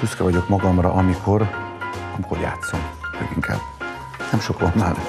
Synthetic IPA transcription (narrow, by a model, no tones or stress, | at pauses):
yskɛvɒɟo̞kmɒɡɒmrɒʔɒmikʰo̞rɒmikorja̰ːt̪so̞mmø̰ɡiŋkʰɛ̰b | nɛmʃokɒnːaːn